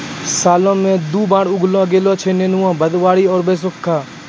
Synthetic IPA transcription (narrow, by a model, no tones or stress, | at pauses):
saːlõːmẽd̪uːbãːɽʊɡlõɡeːloːt͡ʃʰeːneːnuãːbəd̪ʋaːɽiɔːɾbeːs̬ʊkkʰːaː